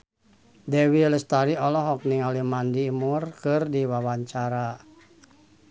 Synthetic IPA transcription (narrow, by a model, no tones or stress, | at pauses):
dɛwiləst̪aɾiɔlɔɦɔk̚niŋalimandiːmurkɨrdiwawaɲt͡ʃaɾa